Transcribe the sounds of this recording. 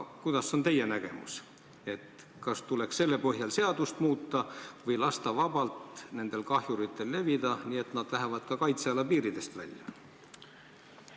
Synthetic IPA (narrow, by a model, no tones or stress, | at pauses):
kujd̪̥ɑso̞nt̪e̞je̞næɡ̥e̞̰mṵs | e̞t̪ | kɑst̪ule̞ksse̞lːepɤɦjɑlse̞ɑd̪̥ust̪muːt̪ːˑɑvɤjlɑst̪ɑvɑb̥ɑlt̪ne̞nd̪̥e̞lkɑɦjuɾit̪ːˑe̞lːe̞vid̪̥ɑniːe̞t̪nɑd̪̥læɦevɑd̪̥kɑkɑjt̪seɑlːɑpiːɾid̪̥e̞st̪væ̰lʲjɑ̰